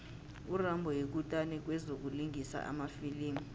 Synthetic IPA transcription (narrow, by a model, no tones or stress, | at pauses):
urambʱɔjek̬utʼanɛk̬wɛzok̬uliŋʱisa̰ʔa̰mafiliːmi